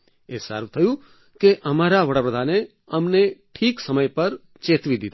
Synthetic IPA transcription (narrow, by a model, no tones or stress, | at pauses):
esə̰ɾʋt̪ʰəjũ | keʔəmaɾaʋəɽapɾəd̪ʱane | əmneʈʰiːksəməjpəɾ | t͡ʃeːt̪ʋid̪it̪a